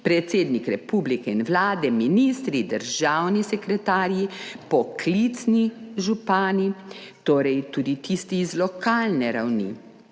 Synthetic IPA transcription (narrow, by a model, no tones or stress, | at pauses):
pɾɛt̪seːd̪nikɾɛpublikɛinʋlaːd̪ɛminist̪ɾid̪əɾʒawnisɛkɾɛt̪aːɾjipɔkʰlit̪sniʒupaːnit̪oːɾɛjt̪uːd̪it̪ist̪iːzlɔkʰaːlnɛɾawnḭ